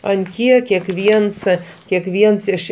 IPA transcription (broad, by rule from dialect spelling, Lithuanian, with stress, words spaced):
ɐn ˈkʲiɛk kʲɛkˈʋʲiɛns kʲɛkˈʋʲiɛns ɪʃ